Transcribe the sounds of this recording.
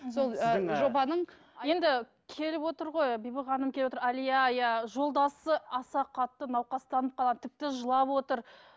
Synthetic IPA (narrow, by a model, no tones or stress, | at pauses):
solˠʒo̞bɑnəɴ | je̞nd̪ɪ | kʲʰe̞lɪpwo̞t̪əɾʁo̞jbijbəʁɑnəmkʲeepwoəɾalijajaʒo̞lˠd̪ɑsəɑsɑqʰɑt̪ːənɑwqɑst̪ɑnəp̚qɑlˠɑt̪ɪp̚t̪ɪʒəlˠɑpwo̞t̪əɾ